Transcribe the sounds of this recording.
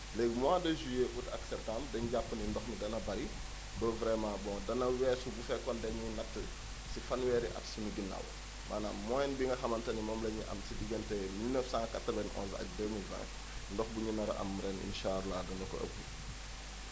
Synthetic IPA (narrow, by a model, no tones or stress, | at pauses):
lɛɡmwaːdəʒujeʔutɐ̰ksɛp̚tamdɛɲɟapːənindɔxnidɐnɐbɐɾi | bəvɾɛmãːbɔ̃dɐnɐwɛːsubufɛkɔndɐɲinɐtːə | sifɐnwɛːɾiʔɐ̰tsunuɡinɐ̰w | mʔaːnaːmːɔjɛnbiŋɡɐxɐmɐntɐnimɔːmlɐɲiʔɐ̰msidiɡɐntɛmilnəfsãkatɾəvɐnɔ̰̃ːnzɐ̰k̚dəːmilvɛ̰̃ | ndɔxbuɲunɐɾʔɐ̰mɾɛnḭnʃaːɾlaɡɐndɐkɔ̰ʔə̰k̚ːu